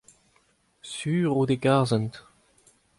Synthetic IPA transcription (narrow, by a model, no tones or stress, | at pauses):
syːʁod̪eɡazɛnt̪